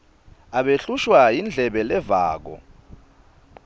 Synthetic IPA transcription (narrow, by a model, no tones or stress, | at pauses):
aɓeɬuʃwajind͡ɮʱɛɓɛlɛva̰ːk̬ɔ̰